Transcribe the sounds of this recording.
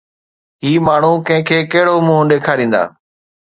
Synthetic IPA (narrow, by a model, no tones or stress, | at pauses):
ɦiːmaːɳ̤ũːkə̃ɦɪ̃kʰeːkəɦɪɽoːmũːɗeːkʰaːɾĩːnd̪a̰ː